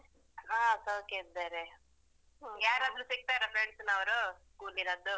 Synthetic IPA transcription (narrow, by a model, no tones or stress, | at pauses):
ɦãːsoːked̪eɾe | ɦjaːɾad̪ɾusiɡ̚t̪aiɾɐfɾeɳɖsnɐʋɐɾuskuːlinɐd̪u